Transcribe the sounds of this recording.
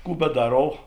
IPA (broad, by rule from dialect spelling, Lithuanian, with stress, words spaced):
ˈkuː bʲɛˈdɑːroːw